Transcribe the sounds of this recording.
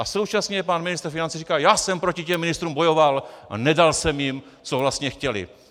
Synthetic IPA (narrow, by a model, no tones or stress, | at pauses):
ʔaso̞wt͡ʃasɲɛɛpanmɪnɪst̪ɾ̩fɪnant͡sirikaːjaːsɛmpɾo̞cɪcɛmːɪnɪst̪ɾuːmbo̞jo̞val̰nɛdalsɛmjɪm | t͡sovlast̪ɲɛxcɛlɪ̰